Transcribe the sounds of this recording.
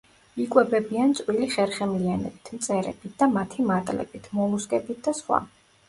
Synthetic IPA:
ikʼwɛbɛbiant̪sʼwiliχɛɾχɛmlianɛ̰bit̪ʰmt̪sʼɛɾɛ̰bit̪̚ʰd̪amat̪ʰimat̪ʼlɛ̰bit̪ʰmɔmusɡʼɛbit̪̚ʰd̪asχwa̰

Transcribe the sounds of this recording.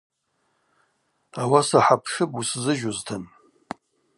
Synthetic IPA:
awasaħapʰʂɨbuszɨʒʊztʰan

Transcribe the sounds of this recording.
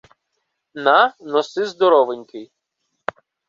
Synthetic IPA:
nanɔsɪzd̪ɔɾɔʋɪnʲkɪj

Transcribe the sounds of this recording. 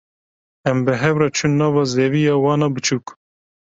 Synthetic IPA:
ɛmbɨɦɛwɾɑt͡ʃʰunːɑːvɑːzeːvijɑːwɑːnɑbɨt͡ʃʰuːk

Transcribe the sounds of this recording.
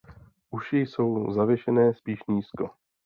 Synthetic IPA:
ʔuʃɪjso̞wzavjɛʃɛnɛːspiːʃɲiːsko

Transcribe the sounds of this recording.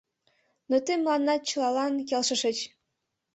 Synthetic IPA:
not̪emlɑnːɑt͡ɕɤlɑlɑnkelʃə̆ʃə̆t͡ɕ

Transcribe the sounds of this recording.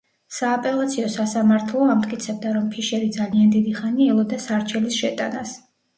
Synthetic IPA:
saːpʼɛlˠat̪sʰiɔsasamaɾt̪ʰlˠɔamt̪ʼkʼit̪sʰɛb̚d̪aɾɔmpʰiʃɛɾid̪zaliand̪id̪iχaniɛlˠɔd̪asaɾt͡ʃʰɛlisʃɛt̪ʼanas

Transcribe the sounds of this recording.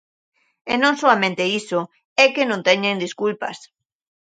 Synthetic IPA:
enõŋsoamẽnt̪eiso | ɛkenõnt̪ɛɲẽnd̪iskulpa̰s

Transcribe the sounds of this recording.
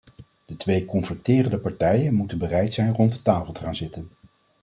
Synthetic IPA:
d̥ətʋejkɔnfəɹtɪːrəndəpɑɹtɛjənmutənbərɛjtsɛjnrɔntətaːfəlˠtə̥χaːnzɪtən

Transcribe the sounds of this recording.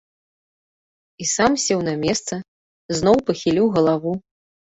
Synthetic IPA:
isamsʲɛwnɐmʲɛst̪sɐ | znɔwpɐxʲilʲiwɣɐlˠavu

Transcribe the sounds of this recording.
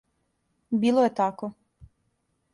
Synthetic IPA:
biːlˠojet̪ako

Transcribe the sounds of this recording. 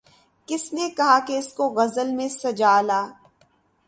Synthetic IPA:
kɪsnekɐɦakeɪskoɣɐzəlmẽsɐd͡ʒaːlaː

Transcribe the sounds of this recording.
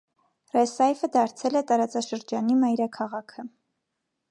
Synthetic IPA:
rɛsɑjvəd̪ɑɾt͡sʰɛlɛt̪ɑɾɑt͡sɑʃəɾd͡ʒɑnimɑjɾɑkʰɑʁɑkʰə

